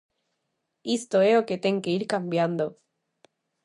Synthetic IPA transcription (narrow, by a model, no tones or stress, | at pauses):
ist̪o̞eoke̞t̪e̞ŋkeiɾkambjand̪o̞